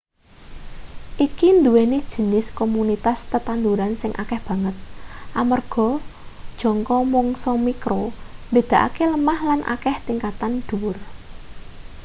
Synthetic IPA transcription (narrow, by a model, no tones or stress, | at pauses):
ʔikind̪uwenid̥ʒ̥ə̤nɪskomunit̪ast̪ət̪and̪uɾansɪŋʔa̰kɛhb̥ä̤ŋət̪̚ʔamərɡ̥ɔ̤d̥ʒ̥ɔ̤ŋkɔmɔŋsɔmikɾombe̤d̪̥ä̤ʔa̰keləmahlanʔa̰kɛht̪iŋkat̪and̪̥uwʊr